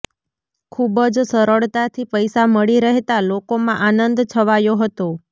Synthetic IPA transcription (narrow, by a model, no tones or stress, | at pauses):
kʰubəd͡ʒsəɾəɭt̪at̪ʰipəjsaməɭiɾəɦet̪alokomãʔanənd̪t͡ʃʰəʋajoɦət̪o